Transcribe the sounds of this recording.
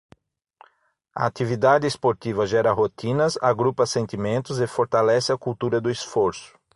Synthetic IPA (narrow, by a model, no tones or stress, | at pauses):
ɐ̰at̪ivid̪ad̪ɪspoɾt̪ivɐʒɛɾɐɦot̪ĩnɐza̰ɡɾupɐsẽnt̪imẽnt̪ʊzefoɾt̪alɛsɪɐkuwt̪uɾɐd̪ʊɪsfoɾsʊ̥